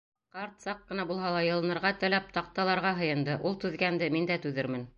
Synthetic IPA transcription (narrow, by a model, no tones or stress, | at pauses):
qɑɾt̪sɑqːɤ̆nɑbulˠɦɑlˠɑjɤ̆lˠɤ̆nɤ̆ɾʁɑt̪ɘ̆læp̚t̪ɑq̚t̪ɑlˠɑɾʁɑɦɤ̆jɤ̆nd̪ɤʔulˠt̪ʉðɡænd̪ɘmind̪æt̪ʉðɘ̆ɾmɘn